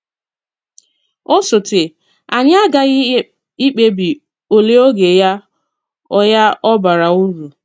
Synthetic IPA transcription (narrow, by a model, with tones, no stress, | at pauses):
o˦sʊ˨tɪ˨ | a˨ɲ˦a˦ɡa˨˦ | i˦k͡pe˦bi˨ | o˨le˦o˦ɡe˨ja˦ | ɔ˦ja˦ʔɔ˦ba˨ɾa˨u˦ɾu˨